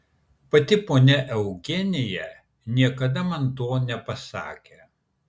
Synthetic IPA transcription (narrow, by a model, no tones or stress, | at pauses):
pɐt̪ʲɪpoːnʲɛʔɛʊɡʲɛnʲɪjɛ | nʲiɛkɐd̪ɐmɐnt̪oːnʲɛpɐsɑ̰ːkʲe